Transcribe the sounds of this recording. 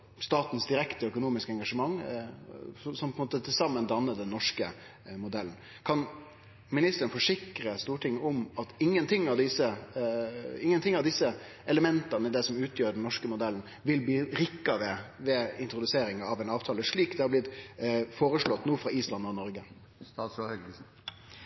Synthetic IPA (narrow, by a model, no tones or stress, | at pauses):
st̪ɑːt̪n̩sd̪ɪɾɛkt̪əœkʊnuːmɪskəɛŋɡɑʂəmɑŋː | sɔmpʰɔnmoːt̪ət̪ʰɪlsɑmːənd̪ɑnːəd̪ɛnːɔʂkə | mʊd̪ɛlːn̩ | kʰɑn | mɪnɪst̪əɾənfɔʂɪkɾəst̪uːʈʰɪŋːɔmɑt̪ɪŋːənt̪ʰɪŋːɑʋd̪ɪsə | ɪŋːənt̪ʰɪŋːɑʋd̪ɪsːə | ɛləmɛnt̪ɑnəd̪ɛsɔmʉːt̪ʰjøːɖɛnnɔʂkəmʊd̪ɛln̩ | ʋɪlbiːɾɪkːɑʋ̪ɛʋɛɪnt̪ɾʊd̪ʉseːɾɪŋɑʋɛːnɑːʋt̪ʰɑːləʂɭiːkd̪ɛhɑɾblɪt̪foːɾəʂɭɔt̪ːnuːfɾɑiːslɑnɔnɔɾɡə | st̪ɑs